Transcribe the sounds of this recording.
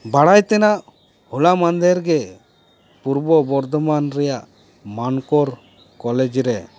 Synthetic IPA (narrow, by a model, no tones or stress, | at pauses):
baɽajt̪ɛnaʔ | hulamand̪ɛɾɡɛ | puɾbɔbɔɾd̪ɔmanɾɛjaʔ | mankɔɾ | kɔlɛd͡ʒɾɛ